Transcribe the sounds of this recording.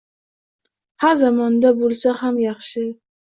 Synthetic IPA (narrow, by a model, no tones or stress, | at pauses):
haɾzamɒnd̪abolˠsahamjɑχʃɪ